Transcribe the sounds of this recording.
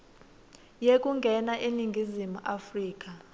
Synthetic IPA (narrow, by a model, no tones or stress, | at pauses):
jek̬ʼuŋɡʱɛnaʔiniŋɡʱizimuʔafriːk̬ʼa